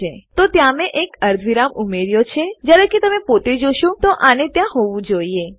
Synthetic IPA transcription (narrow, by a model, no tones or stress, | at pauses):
et̪ot̪jãmeʔekəɾd̪ʱʋiɾamumeɾjot͡ʃʰed͡ʒjaɾeket̪əmepot̪ed͡ʒoʃõt̪oʔanet̪jãɦoʋũd͡ʒoie